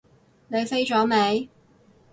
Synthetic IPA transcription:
ne˨˧jfe˥jt͡ʃɔː˨˥me˨˧˥j

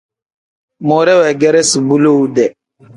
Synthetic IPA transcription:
mɔ˨ɾɛ˦wɛ˨ɡɛ˦ɾɛ˦si˨bu˦lo˦u˦dɛ˨

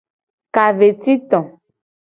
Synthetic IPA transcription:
ka˨ve˨t̪i˦t̪ɔ̃˨

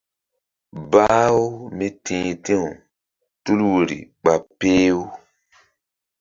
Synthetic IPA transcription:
ba˦wmi˦tĩː˨tĩ˦u˨ | tu˦lwu˨ɾḭ˨k͡pa˨peː˦wu˦

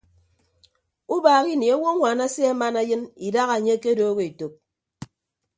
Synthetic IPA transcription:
u˦baː˨ɣi˦ne˨a˦wo˦ŋʷaː˨na˦se˦a˦ma˦na˦jɨ˦ni˨da˦ɣa˨e˨ɲe˦ke˦do˦ɣe˨i˨to˨k̚

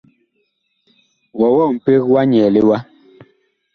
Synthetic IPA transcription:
wɔ˨wɔ˦˨m̩˨pe˦ɣwa˦ɲɛ˨le˦wa˦

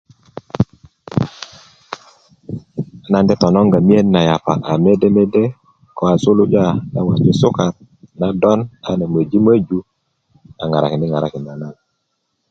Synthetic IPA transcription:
na˦ndɛ˦tɔ˨nɔ˦ŋɡa˨mi˦e˦nːa˨ja˨pa̰˨ʔa˨me˦dɛ˦me˦de˦ | ko˨˦a˨su˦lu˦d͡ʒa˦˨na̰˦wa˨d͡ʒo˦su˦ka˨ɾ | na˦dɔ˦na˨ne˨mə˨d͡ʒi˦mə˦d͡ʒu˨ | a̰˨ŋa˨ɾa˨ki˨ndi˦ŋa˨ɾa˦ki˨na˨na˦l

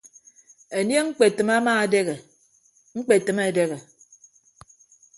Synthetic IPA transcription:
e˨nje˦ŋ̩˦k͡pe˨tɨ˨ma˦maː˦˨de˦ɣe˨ | ŋ͡m̩˦k͡pe˨tɨ˨me˨de˦ɣe˨

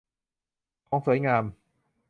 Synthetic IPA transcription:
kʰɔː˨˦˥ŋsu˨˩˦jŋaː˧m

